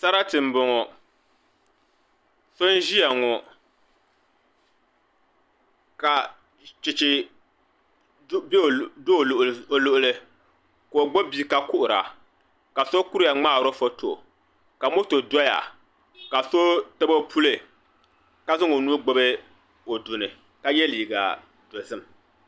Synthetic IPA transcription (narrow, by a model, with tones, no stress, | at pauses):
sa˦ɾa˦tɨ˨m̩˨bʊ˨ŋɔ˨ | so˦n˦ʒi˦ja˨ŋɔ˨ | ka˨ | t͡ʃɪ˨t͡ʃɪ˨˦ | be˦˨do˦˨lo˨lʊ˦ʔʊ˦lɨ˦ | ko˨o˨ɡ͡bo˦bi˦ka˨kʊ˦ʔʊ˨ɾa̰˨ | ka˨so˦ku˦ɾja˨ŋ͡maː˦˨ɾo˦fo˦to˨ | ka˨mo˦to˨dɔ˦ja̰˨ | ka˨so˦tɨ˦bo˦pʰu˦lɨ˨ | ka˦zɨ˦ŋo˨nu˦ɡ͡bo˦bɨ˦ | o˨dʊ˨nɨ˨ | ka˦jɛ˦li˨ɡa̰˨ | do˨zɨ˦˨m˨